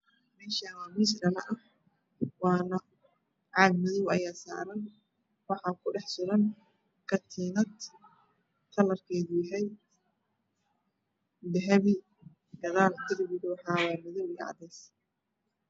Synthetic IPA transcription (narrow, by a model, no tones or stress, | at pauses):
mɛːʃawaːmɪsɾɐnɐʔɐh | wɑːnɐ | ʕɑːbmɪðɔwɐ̰jaːsa̰ːɾɐn | wɑħɑkʰʊɖɛħsʊɾɐn | kʰɐt̪ʰiːnɐd̪ | t̪ʰɐlɐrkʰɛːðʊjɐɦɛj | dɛɦɛβi | ɡ̥ɐðaːlt̪ɪɾbɪdʊwħɑːwɑːmɪðɔwiːɑ̰ːd̪ɛːs